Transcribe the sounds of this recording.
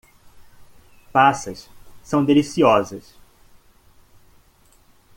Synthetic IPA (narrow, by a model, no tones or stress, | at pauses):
pasɐssɐ̃w̃d̪elisiɔzɐs